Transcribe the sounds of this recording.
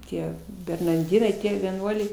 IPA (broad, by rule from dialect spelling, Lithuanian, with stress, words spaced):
ˈtʲiɛ bʲɛrnɐrʲˈdʲɪnɐɪ ˈtʲiɛ ʋʲiɛˈnuɔlʲɛɪ